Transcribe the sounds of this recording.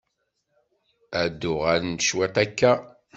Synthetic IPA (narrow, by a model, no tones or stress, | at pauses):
æd̪ʊʁæɾnʃwæt̪ˤækːæ